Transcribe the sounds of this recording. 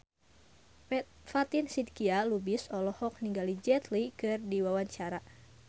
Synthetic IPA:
fat̪insid̪̚kialubɪsɔlɔhɔk̚niŋɡalid͡ʒɛt̪likɨrdiwawaɲt͡ʃaɾa

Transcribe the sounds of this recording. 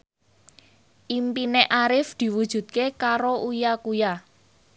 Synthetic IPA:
ʔimpineʔaɾɪfd̪̥i̤wud̥ʒ̥ṳd̪̚kekaɾoʔujakuja

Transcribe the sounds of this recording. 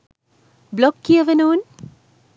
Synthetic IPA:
blɔkːiəʋənõːn

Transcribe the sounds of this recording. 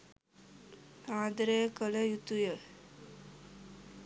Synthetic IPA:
aːd̪əɾekələjut̪ujə

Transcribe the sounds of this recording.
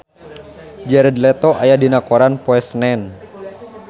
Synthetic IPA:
d͡ʒɛɾəd̪lɛt̪oʔajadinakoɾanpoɛsnɛn

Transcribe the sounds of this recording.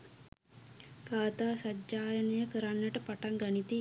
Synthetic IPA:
kaːt̪aːsad͡ʒd͡ʒaːjənəjəkəɾanːəʈəpaʈaŋɡanit̪i

